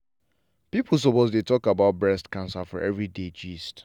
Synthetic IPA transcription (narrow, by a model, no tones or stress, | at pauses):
pipʰl̩ˠs̬ɔpozdetɔkabaʊt̚bɹɛstkãnsafɔɹʔɛvɹided͡ʒist